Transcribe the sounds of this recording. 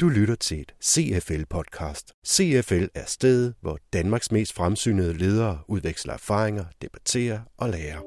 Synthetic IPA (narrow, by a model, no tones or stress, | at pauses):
d̥ulyɾɐt͡sʰe̝e̝d̥se̝ːefelpʰɒ̽d̥̚kʰɑ̈ːsd̥se̝efelæɐsd̥eðˠʋɒd̥ænmɑ̈ːɡ̥sme̝̰ːsd̥fʁamsy̰ːnəð̞̩ˠəle̝ːð̞ˠɐːʔuðˠʋeɡ̥slɐæɐfɑ̈ːʁeŋɐd̥e̝b̥æt͡sʰe̝̰ːɐʔɒ̽leːɐ